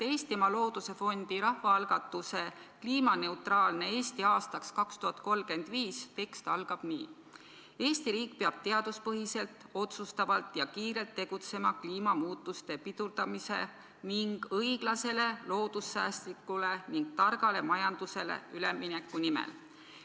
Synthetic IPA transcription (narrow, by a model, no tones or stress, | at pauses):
t̪e̞jst̪imɑlo̞ːd̪̥use̞fo̞nd̪̥iɾɑhvɑɑlɡ̥ɑt̪ːˑuse̞kliːmɑne̞wt̪rɑːlne̞eːst̪iɑːst̪ɑkskɑkst̪uhɑt̪̚ˑko̞lːke̞nd̪̥viːst̪e̞kst̪ɑlɡ̥ɑb̥nḭː | e̞ːst̪iɾiːk̚peɑb̥̚t̪e̞ɑd̪̥uspɤɦise̞lt̪o̞t̪sust̪ɑvɑlt̪ːˑjɑkiːɾe̞lt̪ːe̞ɡ̥ut̪se̞mɑkliːmɑmuːt̪ːˑust̪e̞pit̪uɾd̪̥ɑmise̞̰ | niŋɡ̥ɤjɡ̥lɑse̞le̞lo̞ːd̪̥usːæːst̪likːˑule̞niŋɡ̥̚t̪ɑrɡ̥ɑle̞mɑjɑnd̪̥use̞lḛylemːinekːˑunimḛl